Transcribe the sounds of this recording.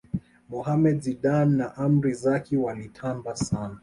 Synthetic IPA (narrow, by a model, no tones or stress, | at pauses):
mɔhamɛdziɗanːaʔam̩ɾizakʰiwalitʰambasana